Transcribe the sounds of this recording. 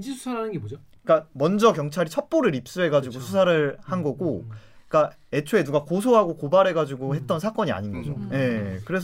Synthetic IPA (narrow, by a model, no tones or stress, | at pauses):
d͡ʑisʰusʰaɾɦanɯnɡebod͡ʑok͈amʌnd͡ʑʌkjʌŋt͡ɕʰaɾit͡ɕʰʌp͈oɾɯɾip̚s͈ɯe̞ɡad͡ʑuɡosʰusʰaɾɯɭhanɡʌɡoik͈a | e̞t͡ɕʰoe̞nuɡakosʰoɦaɡokobaɾe̞ɡad͡ʑuɡoɦe̞t̚t͈ʌnsʰak͈ʌɲia̰ɲinɡʌd͡ʑo̰je̞kɯɾe̞sʰ